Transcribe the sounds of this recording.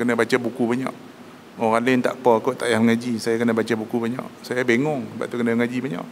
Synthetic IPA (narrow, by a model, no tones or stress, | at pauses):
kənəbat͡ʃabukubaɲɔ̰ʔ | ɔɣalɪnt̪a̰ʔpɔkoʔt̪aʔjahməŋad͡ʒisajakənəbat͡ʃabukubaɲɔ̰ʔsajabeŋɔŋəba̰ʔ̚t̪ukənəməŋad͡ʒibaɲɔ̰ʔ